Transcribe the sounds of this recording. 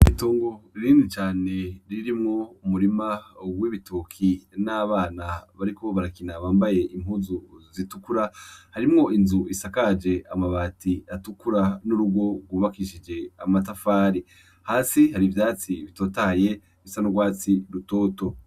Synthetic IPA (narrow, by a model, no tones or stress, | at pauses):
itoːŋɡo̞ɾiːndit͡ʃaːne̞ɾiɾimŋo̞umuɾimawiβitokʰinaβaːnaβaɾikoβaɾakinaβaːmbaje̞ʔim̥huzuzitukuɾahaɾimŋo̞inzuisakad͡ʒe̞amaβaːtiatukuɾanuɾuɡwo̞ɡwuβakiʃid͡ʒe̞amat̬afaːɾi | haːsihaɾivjaːt͡siβito̞ːtaje̞ | isanoɡwaːt͡siɾuto̞ːto̞